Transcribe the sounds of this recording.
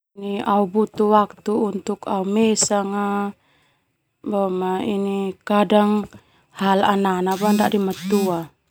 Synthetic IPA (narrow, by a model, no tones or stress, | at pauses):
niaubut̪uwak̚t̪uːnt̪ukaumɛsaŋa | bɔmainikadaŋ | halananabandaʔdimat̪ua